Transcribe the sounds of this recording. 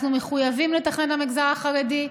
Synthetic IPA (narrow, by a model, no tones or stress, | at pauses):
numeχujavimlet̪aχnenlamiɡzaʁaχaʁed̪i